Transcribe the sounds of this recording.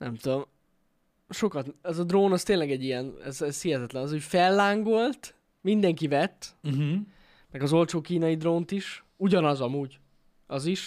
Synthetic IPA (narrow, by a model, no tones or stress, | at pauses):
nɛ̰mt̪ud̪om | ʃo̞kɒt̪ɛzɒd̪roːnɒst̪eːnlɛɡɛɟːijɛnɛ̰zɛzhiɦɛt̪ɛt̪lɛnɒzocfɛlːaːŋɡo̞lt̪ | mind̪ɛŋkivɛt̪̩ː | mɛɡɒzo̞lʲt͡ʃoːkiːnɒjid̪roːnt̪iʃ | uɟɒnɒzɒmuːɟ | ɒziʃ